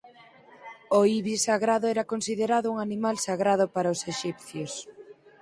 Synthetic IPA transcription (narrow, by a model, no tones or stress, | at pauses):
oiβisaɣɾaðʊɛɾɐkonsiðeɾaðʊuŋanimalsaɣɾað̞ʊpaɾaoseʃipθjos